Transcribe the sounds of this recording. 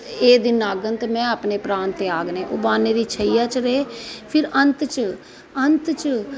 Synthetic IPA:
eːd̪ɪnaːɡənt̪mɛ̃ːaːpneːpɾaːnt̪eːaːɡnẽːʔo̰ːbaːneːɾiːt͡ʃʰəijaːt͡ʃɾəeːpʰɪɾənt̪t͡ʃ | ənt̪t͡ʃə

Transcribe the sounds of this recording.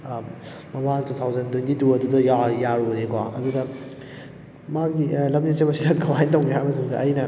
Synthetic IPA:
mɐmatut̪ʰawzɐntwujntʰituɐdudɐjajaɾonekɔɐ̰dudɐ | maɡilɐmnisebɐsidɐɡɐwajntɐw̃ŋeɦajbɐsʰiŋdɐ̰ʔɐjnɐ

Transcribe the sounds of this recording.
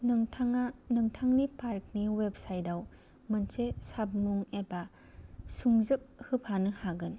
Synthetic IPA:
nɐŋtʰaŋanɐŋtʰaŋnipaɾk̚niweb̚sajdaw | mɐnsesab̚muŋeba | suŋzɯp̚hɯpʰanɯhaɡɯn

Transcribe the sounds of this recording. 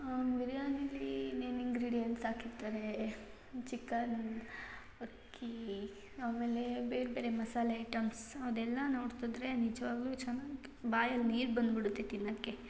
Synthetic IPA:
ʋiɾjaːnɐlːineːniŋɡɾiːɖijɐnʈsaːkiɾt̪aːɾe | t͡ʃikːɐn | ɐkʰː | i | aːmeːlebeːɾbeːɾemɐsaːlɐɐʈɐmsɐʋd̪ɛlːɐno̞ːɽt̪id̪ɾenid͡ʒɐʋaːɡlut͡ʃɐnːaɡ | baːjɐlniːɾbɐnd̪biɽut̪ːet̪inːɐkːe

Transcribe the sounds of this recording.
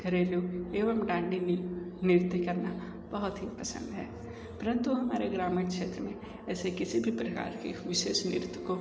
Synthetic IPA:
ɡʱɐɾeːloeːʋəmɖãːɳɖinɪɾɪt̪kɐɾna | b̥ɐɦʊt̪ɦipɐsə̰̃nd̪ɦɛː | pɐɾə̃nt̪uɦɐmaːɾeɡɾaːmiɽkʃeːt̪ɾəmẽ | ɛːsekɪsibʱipɾɐka̰ːɾkḛʋɪʃeːʃnɪ̰ɾt̪wko

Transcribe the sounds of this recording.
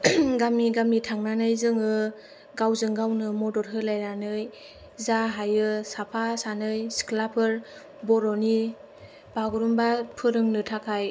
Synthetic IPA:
ɡamiɡamitʰaŋnanɯjzɯŋɯ | ɡawzɯŋɡawnɯmɔdɔɾɦɯlajɾanɯj | zaɦajɯsapʰasanɯjsi̥kʰlapʰɯɾ | bɔɾɔni | baɡuɾumbapʰɯɾɯŋnɯtʰakʰaj

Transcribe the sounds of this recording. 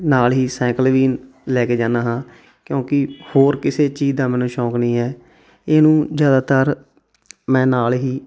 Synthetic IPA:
naːlɦiːsɛ̃ːkəlʋiː | lɛːkeːd͡ʒaːnaːɦãː | kjõːkɪhoːɾkɪseːt͡ʃiːd͡ʒd̪ãːmɛ̃ːnũːʃɔ̃ːknĩːɛː | eːnũːzjaːd̪aːt̪əɾ | mɛ̃ːnaːlɦiː

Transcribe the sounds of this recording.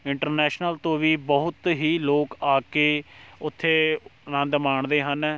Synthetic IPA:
ɪɳʈəɾnɛːʃnəlt̪õːʋiːbəɦʊt̪ɦiːloːkaːkeːʊt̪ʰːeːnãːd̪maːɳd̪eːɦən

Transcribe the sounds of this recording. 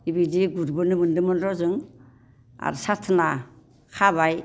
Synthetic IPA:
ibidiɡuɾbɯnɯmɯndɯmɔnɾɔzɯŋ | a̰ɾsatʰna | kʰaβaj

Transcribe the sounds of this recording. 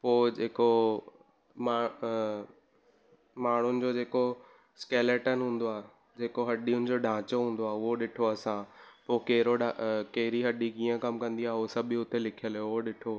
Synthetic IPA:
poːd͡ʑeːko | maː | maːɳ̤ʊnɪ̆d͡ʑoːd͡ʑeːko | skeːleʈənɦũːn̆d̪oaːɦe | d͡ʑeːkoɦɐɗijʊnɪ̆d͡ʑoːɖʱãːt͡ɕoɦũːn̆d̪oaːʊɦoɗɪʈʰoɐsãpoːkeɦɾoɖakɐɦɪɾiɦɐɗikiːə̃kɐmkɐ̃nd̪iaːɦeʊsɐbɪʊt̪elɪkʰijəljoʊɦoɗɪʈʰo

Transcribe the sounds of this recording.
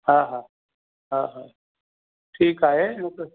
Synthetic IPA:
ɦãːɦaː | ɦãːɦaː | ʈʰiːkaːɦejoke

